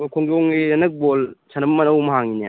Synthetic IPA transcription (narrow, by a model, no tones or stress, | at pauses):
kʰoŋdoŋiɐnɐk̚bolsʰanɐbmɐnɐwmɐɦaŋinḛ